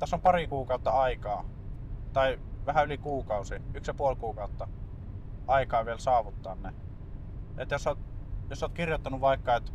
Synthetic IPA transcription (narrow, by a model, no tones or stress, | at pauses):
t̪æsːompɑrikuːkɑˑut̪ːɑɑikɑː | t̪ɑiʋæhæylikuːkɑˑusiyksjɑpuolkuːkɑˑut̪ːɑ | ʔɑikɑːʋielsɑːʋut̪ːɑ̰ːnne | et̪josːoˑt̪josːoˑːt̪kirjot̪ːɑnuʋʋɑˑikːɑet̪